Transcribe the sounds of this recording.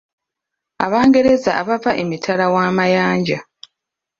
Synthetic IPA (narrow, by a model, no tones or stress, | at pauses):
a̰βaːŋɡe̞ɾe̞zaaβavaʔe̞mitʰalawaːmajaːɲɟa